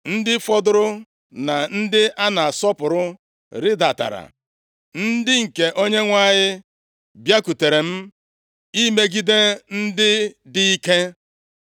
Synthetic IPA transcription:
n̩˦dɪ˦fɔ˦dʊ˦ɾʊ˦ | na˨n̩˦dɪ˦ʔa˦na˨a˨sɔ˦pʊ˨ɾʊ˦ | ɾɪ˦da˨ta̰˨ɾa̰˨ | n̩˦dɪ˦ŋ̩˨ke˨ʔo˦ɲe˦ŋʷa˦˨ɲɪ˦ | bja˦ku˨te˨ɾe˨m̩˦ | i˦me˦ɡi˦de˦n̩˦dɪ˦dɪ˦i˦ke˦

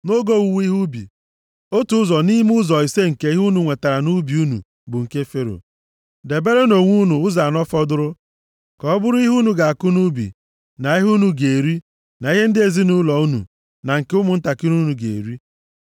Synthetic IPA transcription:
no˦ɡo˦u˨wi˦ɦu˦bḭ˨ | o˦tu˨ʊ˦zɔ˨ni˦m˦ʊ˦zɔ˨i˨se˦ŋ̩˨ke˦i˦ɦu˦nu˨ŋʷe˨ta˨ɾa˨nu˦bi˨u˦nṵ˨ | bʊ˨ŋ̩˨ke˦fe˦ɾo̰˨ | de˨be˦ɾe˦no˨ŋʷu˦nu˨ʊ˦za˨nɔ˦fɔ˦dʊ˦ɾʊ˦ | kɔ˨˦bʊ˦ɾʊ˦i˦ɦu˦nu˨ɡa˨a˨kʊ˦nu˦bḭ˨ | na˨i˦ɦu˦nu˨ɡe˨ɾi˦ | na˨i˦ɦe˦n̩˦dɪ˦e˨zi˦nu˦lɔ˨u˦nṵ˨ | na˨ŋ̩˨ke˦ʊ˦mʊ˨n̩˦ta˨kɪ˦ɾu˦nu˨ɡḛ˨ɾi˦

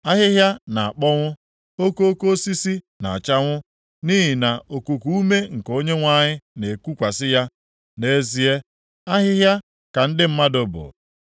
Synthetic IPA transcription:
a˦ɦɪ˦ɦja˦na˨a˨k͡pɔ˦ŋʷʊ˦ | o˦ko˦o˦ko˦si˦si˦ | na̰˨a˨t͡ʃa˦ŋʷʊ˦ | niː˦ɦi˨na˨ʔo˨ku˨ku˦u˦me˦ŋ̩˨ko˦ɲe˦ŋʷa˦ɲɪ˦ne˨kʷu˦kʷa˨sɪ˦ja˦ | ne˦zi˦e˦ | a˦ɦɪ˦ɦja˦ | ka˨n̩˦dɪ˦m̩˦ma˦dʊ˨bʊ̰˨

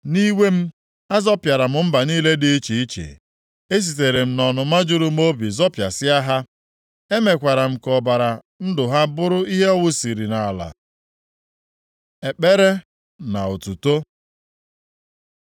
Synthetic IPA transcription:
ni˦we˦m̩˦ | a˦zɔ˦pja˨ɾa˨m̩˨m̩˦ba˨niː˦le˦di˦i˦t͡ʃi˨i˦t͡ʃḛ˨ | e˦s̬i˨t̬e˨ɾe˨m̩˨nɔ˨nʊ˨ma˦d͡ʒʊ˦ɾʊ˦m˦o˦bi˨zɔ˦pja˨sɪ˦a˦ɦa˦ | e˦me˨kʷa˨ɾa˨m̩˨kɔ˨ba˨ɾa˨ | n̩˦dʊ˨ɦa˦bʊ˦ɾʊ˦i˦ɦe˦ɔ˦wʊ˦si˨ɾi˨na˨a˨la̰˨ | e˨k͡pe˦ɾe˦ | na˨o˨tu˨to˦

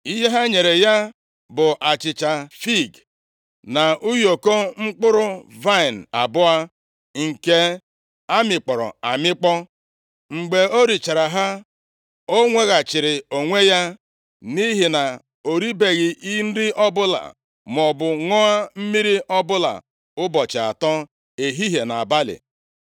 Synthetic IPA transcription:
i˦ɦe˦ɦa˦ɲe˨ɾe˨ja˦ | bʊ˨ʔa˨t͡ʃɪ˨t͡ʃa˨fi˦˨ɡ | na˨u˦jo˨ko˦ŋ͡m̩˦k͡pʊ˦ɾʊ˦va˦˨n̩˨a̰˨bʊ˦a˦ | ŋ̩˨ke˦ | a˦mɪ˨k͡pɔ˨ɾɔ̰˨a˨mɪ˦k͡pɔ˦ | ŋ͡m̩˨ɡ͡be˨o˦ɾi˨t͡ʃa˨ɾa˨ɦa˦ | o˦ŋʷe˦ɣa˨t͡ʃɪ˨ɾɪ˨o˨ŋʷe˦ja˦ | ni˦ɦi˨na˨ | o˨ɾi˦be˨ɣɪ˨ʔi˦n̩˦dɪ˦ʔɔ˦bʊ˦la̰˨ | m˨ɔ˨bʊ˨ŋɔ˦a˦m̩˦mi˦ɾi˦ʔɔ˦bʊ˦la̰˨ | ʊ˦bɔ˨t͡ʃa˨a̰˨tɔ˦ | e˨ɦi˦ɦe˨na˨ba˦lɪ̰˨

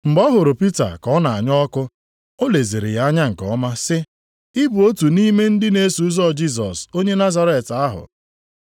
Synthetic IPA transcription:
m̩˨bɔ˦ɦʊ˨ɾʊ˨pi˦ta̰˨kɔ˦na˨a˨ɲɔ˦kʊ˦ | o˦le˨ze˨ɾɪ̰˨ja˨˦ɲa˦ŋ̩˨kɔ˦ma˦sɪ˦ | ɪ˦bu˨o˦tu˨ni˦me˦n̩˦dɪ˦ne˦su˨˦zɔ˦˨d͡ʒi˦˨s̬ɔ˨so˦ɲe˦na˦za˨ɾe˨ta˦ɦʊ̰˨

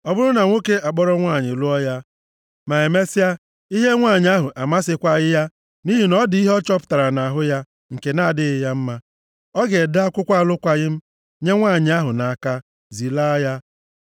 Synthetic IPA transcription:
ɔ˦bʊ˦ɾʊ˦na˨ŋʷo˦ke˦ʔa˨k͡pɔ˦ɾɔ˦ŋʷa˦˨ɲɪ˨lu˦ɔ˦ja˦ | ma˨e˨me˦sɪ˦a˦ | i˦ɦe˦ŋʷa˦˨ɲɪ˨˦a˦ɦʊ˨ʔa˨ma˦sɪ˦kʷa˦ɣɪ˦ja˦ | ni˦ɦi˨nɔ˦dɪ˨i˦ɦɔ˦t͡ʃɔ˦pʊ̥˨ta˨ɾa˨na˨a˨ɦʊ˦ja˦ | ŋ̩˨ke˨na˦˨dɪ˦ɣɪ˦ja˦m̩˦ma˦ | ɔ˦ɡe˨da˦a˦kʷʊ˦kʷa˦˨lʊ˦kʷa˦ɣɪ˦m̩˦ | ɲe˦ŋʷa˦˨ɲɪ˨˦a˦ɦʊ˨na˨a˨ka˦ | zi˨la˦ja˦

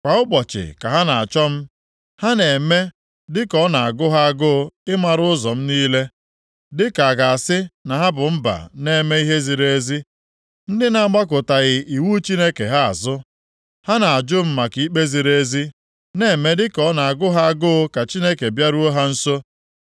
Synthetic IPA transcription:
kʷa˨ʊ˦k͡pɔ˨t͡ʃɪ̰˨ka˨ɦa˦na˨a̰˨t͡ʃɔ˦m̩˦ | ha˦ne˨me˦ | dɪ˦kɔ˦na˨a˨ɡʊ˦ɦa˦a˦ɡʊ˦ɪ˦ma˨ɾʊ˦ʊ˦zɔ˨m̩˦niː˦le˦ | dɪ˦ka˨a˨ɡa˨a˨sɪ˦na˨ɦa˦bʊ˨m̩˦ba̰˨ne˦me˦i˦ɦe˦zi˨ɾe˦zi˦ | n̩˦dɪ˦na˨a˦ɡ͡ba˦k̬ʊ˨ta˨ɣɪ˨ʔi˨wu˦t͡ʃi˦ne˦ke˨ɦa˦a̰˨zʊ˦ | ha˦na˨a˨d͡ʒʊ˦m̩˦ma˨ki˨˦k͡pe˦zi˨ɾe˦zi˦ | ne˨me˦dɪ˦kɔ˦na˨a˨ɡʊ˦ɦa˦a˦ɡʊ˦ka˨t͡ʃi˦ne˦ke˨bja˦ɾu˦o˦ɦa˦n̩˦so˦

